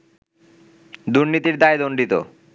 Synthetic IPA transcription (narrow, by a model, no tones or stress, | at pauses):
d̪uɾnit̪iɾd̪aed̪oɳɖʱit̪o̰